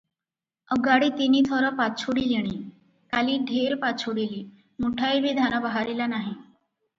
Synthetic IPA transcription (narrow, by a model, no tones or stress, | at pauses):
əɡaɽiːt̪iniːt̪ʰəɾəpat͡sʰuɽileɽ̃iː | kaliːɖʱeɾpat͡sʰuɽiliː | muʈʰaibʱiːd̪ʱanəbəɦaɾilanaɦi